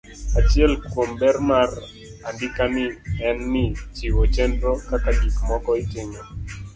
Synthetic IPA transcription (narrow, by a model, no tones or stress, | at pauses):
at͡ʃjɛlkwombɛrmar | andɪkanɪɛnːɪt͡ʃiwot͡ʃɛndokataɡikmɔkɔitɪɲo